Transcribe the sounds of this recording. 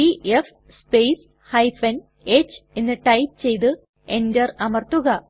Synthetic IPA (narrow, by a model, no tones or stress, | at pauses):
iʔef | spejs | hɐjfɐn | et͡ɕːɨe̞nːɨʈɐjp̚t͡ɕe̞jt̪̬ɨ | e̞ndɐrɐmɐrt̪uɣɐ